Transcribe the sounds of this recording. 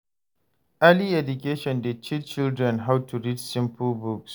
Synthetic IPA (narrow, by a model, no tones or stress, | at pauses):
ʔaliʔɛdʊkeʃɔndɛt͡ʃit͡ʃɪldɾɛnɦawtuɹidsɪmpʊlbʊks